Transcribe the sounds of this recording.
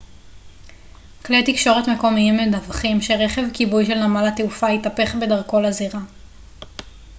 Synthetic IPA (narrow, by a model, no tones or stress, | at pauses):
klejt̪ikʃo̞ʁetme̞ko̞miimedavχimʃeʁeχe̞vkibujʃe̞lnamalateufaitape̞χbe̞daʁko̞laziʁa